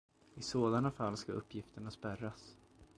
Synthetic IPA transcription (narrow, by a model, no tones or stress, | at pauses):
ɪsoːd̪anafalːskaʔɵ̰pːjɪft̪əɳaspæɾas